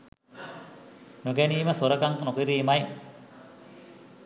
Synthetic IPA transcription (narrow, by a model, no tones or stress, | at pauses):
noɡæniːməsoɾəkaŋknokiɾiːmaj